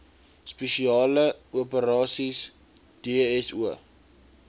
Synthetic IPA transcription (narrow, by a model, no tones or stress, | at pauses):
speʃiɑːləuəpəɾɑːsis | d̥eɛsuə